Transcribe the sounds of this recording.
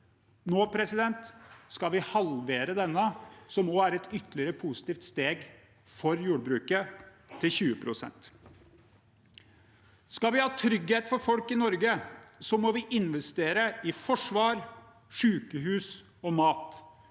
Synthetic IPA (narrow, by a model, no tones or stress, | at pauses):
noːpʰɾɛsɪd̪ɛnt̪skɑʋɪhɑlʋeːɾəd̪ɛnːəsɔmoːæɾɛt̪ʰʏt̪ːlɪəɾəpʰusɪ̥t̪iːft̪st̪eːɡ | fɔɾjuːɖbɾʉːkə | t̪ʰɪlçʉːəpʰɾʊsɛ̰nt̪ | skɑʋɪhɑːt̪ʰɾʏɡheːt̪fɔɾfɔlkɪnɔɾɡəsɔmɔʋɪʔɪnʋɛst̪eːɾəʔɪfɔʂʋɑːɾ | ʂʉːkəɦʉːs | ɔmɑːt̪